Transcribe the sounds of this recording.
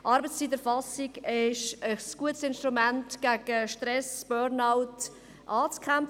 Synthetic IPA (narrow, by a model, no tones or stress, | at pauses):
ʔɑɾbət͡sst͡siːt̪̬əɾfɑsiɡɪʃəsɡ̥uətsɪnʃtɾumæntɡ̥æɡəʃtɾɛsb̥øːɾnaʊt | ʔɑːt͡skʰæm